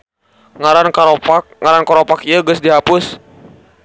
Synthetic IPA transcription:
ŋaɾankaopaŋaɾankɔɾopakiəɡʊsdiɦapʊs

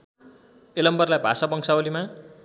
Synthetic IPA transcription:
elʌmbʌrlajbʱasapʌŋksʰaolima

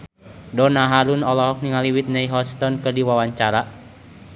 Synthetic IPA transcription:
dɔnaɦaɾunɔlɔɦɔk̚niŋaliwit̪̚naiɦɔst̪ɔnkɨrdiwawaɲt͡ʃaɾa

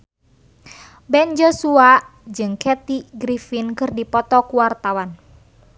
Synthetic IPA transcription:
bɛnd͡ʒɔsua | d͡ʒɨŋkɛt̪iɡɾifinkɨrdipɔt̪ɔkuwart̪awan

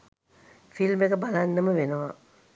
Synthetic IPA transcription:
filmekəbalanːəməʋenəʋa

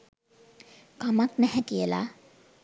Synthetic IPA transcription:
kamaknɛhɛkijəla̰

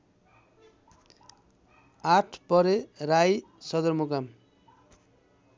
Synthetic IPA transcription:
aʈʰpʌɾeraj | sʌd̪ʌrmukam

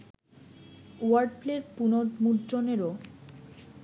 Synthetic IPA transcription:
aɾɖpleɾpunod̪muɾd͡ʑoneɾo

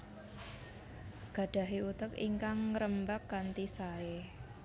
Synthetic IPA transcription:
ɡ̥ä̤ɖ̥a̤ɦiut̪əkḭŋkaŋːɾəmbakːant̪isae

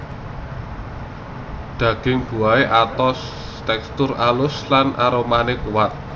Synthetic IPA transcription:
d̪̥ä̤ɡ̥ɪŋb̥ṳaeʔat̪ɔs | t̪ɛkst̪ʊralʊslanʔaɾomanɪkuwat̪̚

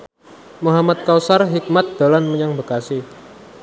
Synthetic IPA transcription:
muɦamat̪̚kawsarɦik̚mat̪̚d̪̥a̤lanməɲaŋbəkasɪh

